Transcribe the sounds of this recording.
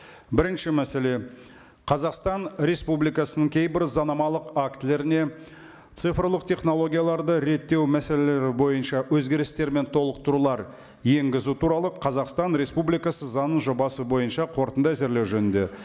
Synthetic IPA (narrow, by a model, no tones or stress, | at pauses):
bɪɾɪnʃɪmæse̞le̞ | qʰɑzɑqst̪ɑnɾe̞spublijkɑsənəŋkʲʰe̞jbɪɾzɑnɑmɑlˠəqakt̪ɪle̞ɾɪne̞ | t̪sɨfrlˠəq̚t̪ʰʲe̞χno̞lˠo̞ɡʲijɑlˠɑɾd̪əɾe̞t̪ːe̞wmæse̞le̞le̞ɾɪbo̞jənʃɑwɵzɡʲe̞ɾɪst̪e̞ɾme̞nt̪ʰo̞lˠəq̚t̪ʊɾulˠɑɾ | je̞ŋɡʲɪzut̪ʰuɾɑlˠəqʰɑzɑqst̪ɑnɾe̞spublijkɑsəzɑnːəʒo̞bɑsəbo̞jənʃɑqʰo̞ɾt̪ənd̪ɑæze̞ɾle̞wʒɵnɪnd̪e̞̰